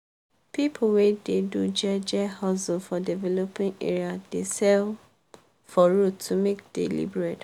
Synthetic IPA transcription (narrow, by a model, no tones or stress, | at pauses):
pipʰuwededud͡ʒɛd͡ʒɛhasofɔdivɛlopĩnḛɹiad̥esɛl | fɔɹuumekd̥ḛlḭbɹet